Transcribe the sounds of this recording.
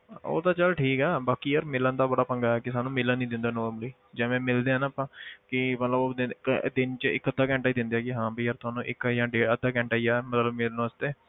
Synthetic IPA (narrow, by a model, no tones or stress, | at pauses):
o̰ːt̪aːt͡ʃəlʈʰiːkɛːbaːkiːəɾmɪlənd̪aːbəɽaːpə̃ŋɡaːɛːkɪsaːnũːmɪlənnĩːd̪ɪ̃nd̪aːnɔːɾmləiː | d͡ʒɛ̃ːmɛ̃ːmɪld̪eːãːnaːpãːkɪmət̪ləbod̪ɪd̪ɪnt͡ʃəɪ̰kːəd̪ʱaːkɛ̃ːɳʈaːiːd̪ɪ̃nd̪eɛːkɪɦãːbiːəɾt̪ʊaːnũːʔɪkjãːɖeːəd̪ʱaːk̬ɛ̃ːɳʈaːiːɛːmət̪ləbmeːɾnõəst̪eː